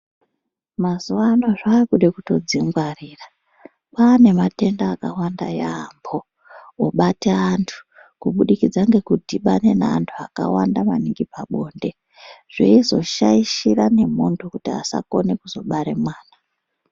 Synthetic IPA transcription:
mazuwano̞ʐaːkuɗekuto̞d͡ziŋɡwariːra | paːne̞mate̞ndaːkawanda̰jaːmbo | oɓateantʰu̥ | kuɓuɗikid͡zaŋɡe̞kudiɓane̞naantʰuaka̰wandama̰niŋɡipaɓo̞ːnde̞ | ʐ̥ḛizo̞ʃaiʃirane̞mo̞ntʰo̞kutia̰sa̰ko̞ne̞kuzo̞ɓaɾemwaːna

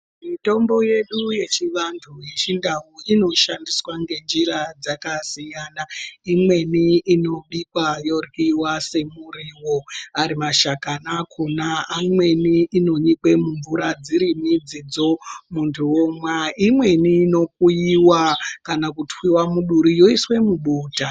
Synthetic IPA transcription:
mito̞mbo̞je̞ɗuje̞t͡ʃiʋantʰuje̞t͡ʃindauino̞ʃandiswaŋɡe̞nd͡ʒiɾad͡zakasijaːnaimwe̞niino̞ɓikwajo̞rkiwase̞muriwo̞aɾimaʃakanakʰunaːmwe̞niːno̞ɲikwe̞muɱvuɾad͡ziɾimid͡zid͡zo̞muntʰuwomwaimwe̞niːno̞k̚uiwakanakutwiwamuɗuɾijo̞iswe̞muɓuːta

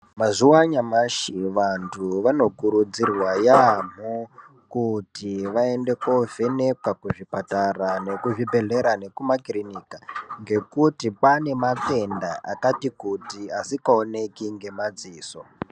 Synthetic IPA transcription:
mazuwaɲamaʃiʋantʰuʋano̞kuɾud͡zirwajam̤o | kutiʋae̞nde̞ko̞ve̞ne̞kwakuʐipatarane̞kuʐibʱe̞ɮe̞ɾane̞kumakrinikaŋɡe̞kutipane̞make̞ndaʔa̰katikutiasikaone̞kiŋɡe̞mad͡ziːso

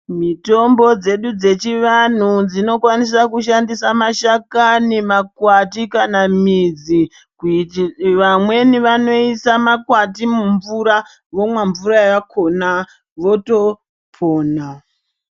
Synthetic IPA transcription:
mito̞mbo̞d͡ze̞ɗud͡ze̞t͡ʃiʋan̤ud͡zino̞kwanis̬akuʃandisamaʃakanimakwatikanamid͡zi | k | ʋamwe̞niʋano̞isamakwatimuɱvuɾa | ʋo̞mwaɱvuɾajakʰo̞na | ʋo̞to̞ | pʰoːna

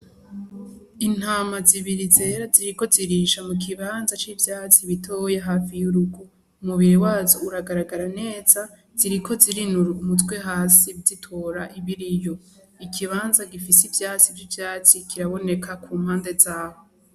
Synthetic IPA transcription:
in̥haːmaziβiɾize̞ːɾaziɾiko̞ziɾiːʃamuk̬iβaːnzat͡ʃivjaːt͡siβitʰo̞ːjeɦaːfijuɾuɡu | muβiɾewaːzouɾaɡaɾaɡaɾane̞ːza | z̥iɾiko̞ziɾinuɾumutwe̞ɦaːsibditʰoːɾaʔiβiɾijo̞ | ikʰiβaːnzaɡifisivjaːt͡sivjivjaːt͡sikʰiɾaβo̞ne̞kʰakuːm̥haːnde̞zaːho

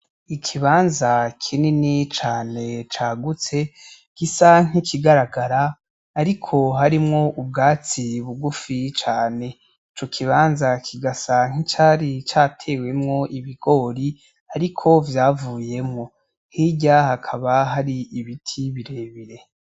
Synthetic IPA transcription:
ikʰiβaːnzakʰininit͡ʃaːne̞t͡ʃaːɡut͡se̞ | kisaŋ̥ikiɡaɾaɡaɾaː | ɾikʰo̞ɦaɾimŋo̞ʔubɡaːt͡siβuɡufit͡ʃaːne̞ | it͡ʃo̞kʰiβaːnzakʰiɡasaŋ̥it͡ʃaːɾit͡ʃatʰe̞ːwe̞mŋo̞ʔiβiɡ̥o̞ːɾi | aɾikʰo̞vjaːvuːje̞mŋo̞ | hiɟahakʰaβaɦaɾiʔiβitʰiβiɾe̞ːβiɾe̞

